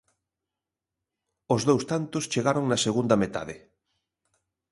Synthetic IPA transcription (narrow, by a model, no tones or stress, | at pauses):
ozðowst̪ant̪ʊst͡ʃeɣaɾoŋnɐseɣund̪ɐmet̪a̰ðɪ̰